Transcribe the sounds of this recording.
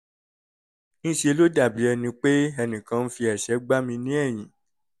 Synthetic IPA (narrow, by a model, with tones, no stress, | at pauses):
nĩ˦ʃe˧lo˦da˦˨bi˨˦ɛ˧nĩ˧k͡pe˦ɛ˧nĩ˨kã˨˦n̩˦fi˧ɛ˨ʃɛ˨˦ɡ͡ba˦mĩ˧nĩ˦ɛ˦˨j̃ĩ˨